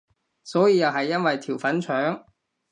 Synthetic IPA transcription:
sɔː˨˥jiː˧jɐ˨wɦɐ˨jːɐ˥nwɐ˨jt̪ʰiː˨˩wfɐ˨˥nt͡ʃʰœː˨˥ŋ

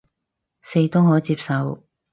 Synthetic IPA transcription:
se˧jt̪o˥wɦɔː˨˥t͡siː˧p̚sɐ˨˧w

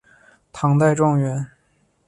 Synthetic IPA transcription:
t̪ʰɑ˧˥ŋt̪a˥˧ɪʈ͡ʂɑ˥˩ŋɥɛ˧˥n

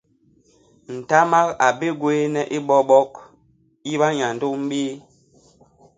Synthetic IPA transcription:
n̩˨ta˦ma˦ka˨be˦ɡweː˦nɛ˦ʔi˦ɓɔ˦ɓɔ˦k | ji˦ɓa˦ɲa˨n̩˨do˦m̩˦biː˦

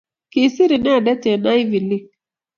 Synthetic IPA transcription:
ki˨si˦ɾi˨na˦˨da˦te˨na˦jvi˨li˦

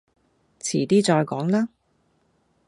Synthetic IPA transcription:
t͡sʰḭː˨˩t̪iː˥t͡sɔː˧jkɔː˨˥ŋlaː˥

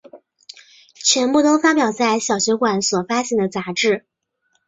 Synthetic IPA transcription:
t͡ɕʰɥɛ˧˥npu˥˩t̪o˥ʊfa˥pjɑ˨˩ʊt͡sa˥˩ɪɕjɑ˨˩ʊɕɥɛ˧˥kwa˧˩˦nswɔ˨˩fa˥ɕɛ˥˩nd̪ə˩t͡sa˧˥ʈ͡ʂɻ̩˥˩

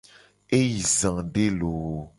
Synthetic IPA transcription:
e˦ji˨zã˨ɖe˦lo˨˦

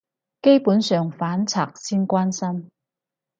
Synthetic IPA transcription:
ke˥jpuː˨˥nsœː˨ŋfaː˨˥nt͡sʰa̰ː˨k̚siː˥nkʷwaː˥nsɐ˥m

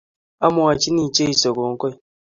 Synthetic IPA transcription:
a˦mʊ˨a˨t͡ʃi˦ni˨t͡ʃe˦i˨so˨ko˨ŋ̩˦kɔ˦i˦

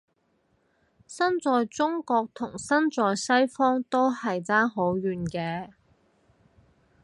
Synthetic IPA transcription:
sɐ˥nt͡sɔː˨˧jt͡sʊ˥ŋkɔː˧k̚t̪ʰʊ˨˩ŋsɐ˥nt͡sɔː˨jsɐ˥jfɔː˥ŋt̪o˥whɐ˨jt͡saː˥nɦo˨˥wɥyː˨nkɛː˧

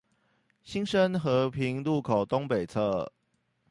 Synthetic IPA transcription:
ɕi˦˥ŋʂə˦nxɤ˨˥pʰi˨˦ŋlu˥˨kʰo˨˩ʊt̪o˦ŋpe˨˩ɪt͡sʰɤ˥˩

